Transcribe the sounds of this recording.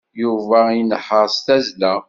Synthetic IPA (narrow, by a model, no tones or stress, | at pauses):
juvæinəħəɾˤst̪æzlæ